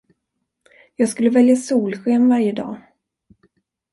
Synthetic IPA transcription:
jɑːɡskɵlːəvɛljasuːlɧeːmvaɾjəd̪ɑ̰ː

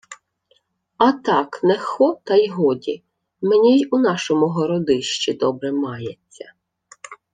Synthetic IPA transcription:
ɐt̪ɑknɛxɔt̪ɐjɦɔdʲi | menʲijunɑʃɔmʊɦɔɾɔd̪ɪʃt͡ʃid̪ɔbɾɛmɑjet͡sʲːɐ

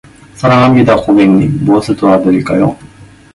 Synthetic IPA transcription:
saɾaamid̪akobeŋɲiboːsɯt̪oad̪eɾikajo̰

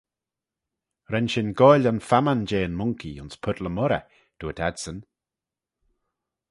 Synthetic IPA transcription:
ɾɛnʃɪnɡɔjlʲanfamand͡ʒeːənmʊŋkiʊnspʰʊdləmɔɾə̰ | d̥uətʰɛdsən

